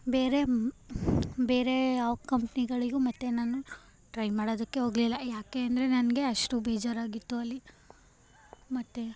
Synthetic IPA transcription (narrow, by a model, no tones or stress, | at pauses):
beːɾe̞ | be̞ːɾe̞aːʋkɐmpniɡɐɭiɡumɐt̪ːenaːnu | ʈɾɐjmaːɽoːd̪ɐkːe̞ɦo̞ːɡlilːɐjaːkeɐnd̪ɐɾe̞nɐnɐɡe̞ɐʂʈubeːd͡ʒaːɾaːɡit̪ːuɐlːi | mɐt̪ːe